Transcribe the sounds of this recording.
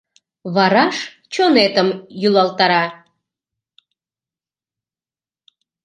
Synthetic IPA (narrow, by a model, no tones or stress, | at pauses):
βɑɾɑʃ | t͡ɕonet̪əmjulɑlt̪ɑɾɑ